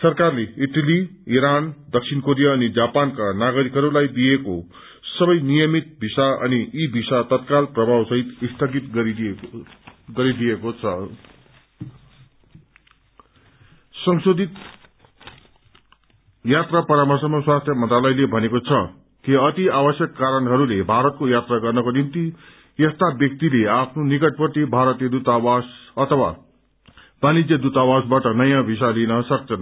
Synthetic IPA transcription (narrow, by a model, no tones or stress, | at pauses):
sʌrkarleiʈʌliiɾand̪ʌksʰinkoɾijaːnid͡zapankanaɡʌɾikɦʌɾulajbijeko | sʌbʌjnijʌmit̪̚bʱisaʌ̰niibʱisat̪ʌt̪̚kalprʌbʱawsʌɦit̪ist̪ʰʌɡit̪ɡʌɾid̪ | ɡʌɾid̪ijekot͡sʰʌ | sʌŋsod̪ʱit̪ | jat̪rapʌɾamasʌŋmːʌswast̪ʰjʌmʌnt̪ralʌjlebʱʌnekot͡sʰʌ | kiʌt̪iabʌsjʌkːaɾʌnɦʌɾulebʱaɾʌt̪̚kojat̪raɡʌrnʌkonimt̪i | est̪abjʌk̚t̪ileapʰnonikʌʈ̚pʌt̪ibʱaɾʌt̪jʌd̪ut̪awasʌt̪ʰʌwa̰ | b̥anid͡zjʌd̪ut̪awasbaʈʌnʌjãbʱisalinʌsʌk̚t͡sʰʌn